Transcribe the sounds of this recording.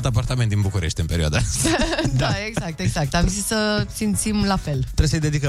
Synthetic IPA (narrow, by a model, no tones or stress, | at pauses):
lt̪ap̬art̪ament̪d̪inbukuɾeʃt̪ɨnpe̞ɾioad̪a | d̪aeɡzak̚t̪e̞ɡzak̚t̪amzissəsimt̪simlafe̞lt̪ɾeesəjd̪e̞d̪ikə